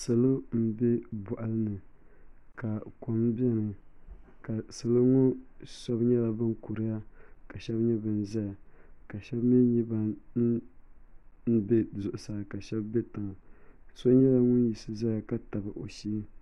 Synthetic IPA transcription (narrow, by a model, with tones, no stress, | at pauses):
sɨ˨lo˦m̩˦bɛ˦bʊ˨ʔa˨lɨ˦nɨ˨ | ka˨ko˨m˦bɛ˦nɨ˨ | ka˨sɨ˨lo˦ŋɔ˦sɔ˦bɲɛ˦la˨bɨ˦n˦ku˨ɾɨ˦ja˦ka˨ʃɛ˦bɲɛ˦bɨ˦n˦za˦ja˨ka˨ʃɛ˦bmɛ˦ɲi˦ba˦n̩˦ | n̩˦bɛ˦zʊ˨ʔʊ˨sa˨ka˨ʃɛ˦bːɛ˦ta˨ŋ˨sɔ˦ɲɛ˦la˨ŋʊ˦n˦ji˨sɨ˨za˦ja˨ka˦ta˨bɨ˨ʔo˨ʃi˦